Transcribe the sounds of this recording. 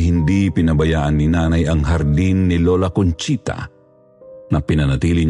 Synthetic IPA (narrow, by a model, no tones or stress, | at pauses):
hɪnd̪ipɪnɐbɐjaːʔɐnːɪnaːnajɐŋɦɐɾd̪inːɪloːlakʊnt͡ʃit̪a̰ | nɐpɪnɐnɐt̪iːlɪɲ